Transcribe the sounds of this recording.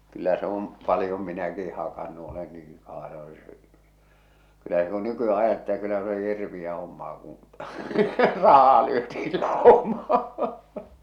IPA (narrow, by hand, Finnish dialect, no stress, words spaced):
kylːæ se om pɑlĭjom minæki hɑkɑnːu olen niːŋ kɑː kylːæ se ku nykyæ ʔɑjɑtːele e̥tːæ̥ kylːæ se oli hirʋij̆æ homːɑː kũː rɑhˑɑː lyøtiːl lɑˑomɑː